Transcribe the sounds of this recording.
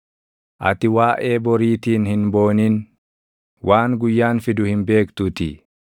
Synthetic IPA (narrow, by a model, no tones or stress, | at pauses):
ʔɐ̰t̪ɪwaːʔe̞ːbɔɾiːt̪iːnhɪnbo̞ːniːn | wʔaːŋɡʊjːaːnfɪd̪ʊhɪmbe̞ːkt̪ʊt̪ɪ